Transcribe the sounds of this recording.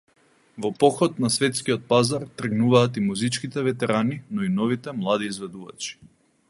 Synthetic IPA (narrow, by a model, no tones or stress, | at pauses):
vɔpɔxɔt̪nasvɛt̪skiɔt̪̚pazaɾt̪r̩ɡnuvaːt̪imuzit͡ʃkit̪ɛvɛt̪ɛɾaninɔinɔvit̪ɛmlˠad̪iːzvɛd̪uva̰t͡ʃi̥